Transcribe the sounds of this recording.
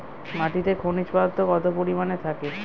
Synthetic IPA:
maʈit̪ekʰonit͡ɕpaot̪ːoɡɔt̪opoɾimanet̪ʰake

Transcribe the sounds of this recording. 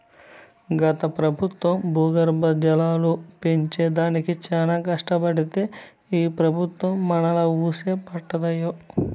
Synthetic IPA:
ɡɐt̪ɐpɾɐbʱut̪ʋɐmbʱuːɡɐɾbɐd͡ʒɐlaːlupeɲt͡ʃeːd̪aːnikit͡ʃaːnaːkɐʂʈɐbɐɽit̪e̞ː | iːpɾɐbʱut̪ʋɐmːɐnɐlɐuːseːpɐʈːɐd̪ɐjo

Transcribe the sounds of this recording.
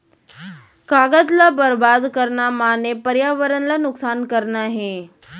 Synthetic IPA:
kaɡat̪labəɾbad̪kəɾɳamanepəɾjaʋəɾənlanuksankəɾnaɦe

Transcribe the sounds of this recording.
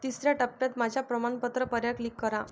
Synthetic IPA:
t̪isɾjaʈəp̚pjat̪mad͡ʑʱapɾəmaɳpət̪ɾəpəɾjaklikːəɾa

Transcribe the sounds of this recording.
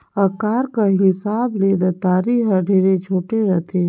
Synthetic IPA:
ɐkaːɾkaɦɪsaːbleːd̪at̪aːɾiːɦəɖʱeːɾet͡ʃʰoːʈeɾɐt̪ʰe

